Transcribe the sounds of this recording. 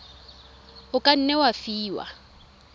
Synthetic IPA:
ʊkʼan̩nɛwafiːwa̰

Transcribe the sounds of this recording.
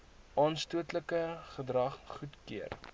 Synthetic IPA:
ʔɑːnstuətləkəχədrɐχχutkiər

